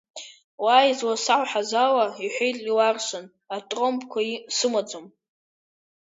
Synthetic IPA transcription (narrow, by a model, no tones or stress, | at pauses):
wajzwasaʕʷħazawaiħʷᶣejtʼiwarʃan | atʼrompʰʼkʷʰaisɨmad͡zom